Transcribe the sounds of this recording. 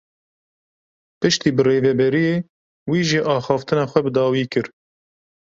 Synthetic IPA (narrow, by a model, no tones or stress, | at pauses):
pɨʃt̪iːbɨreːvɛbɛɾijeː | wiːʒiʔɑːxɑːft̪ɨnɑːxʷɛbɨd̪ɑːwiːkɨɾ